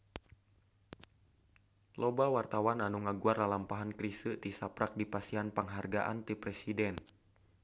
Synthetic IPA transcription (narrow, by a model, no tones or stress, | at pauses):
lɔbawart̪awananuŋaɡuarlalampaɦankɾisɨt̪isapɾak̚dipasianpəŋɦarɡaʔa̰nt̪ipɾɛsidɛn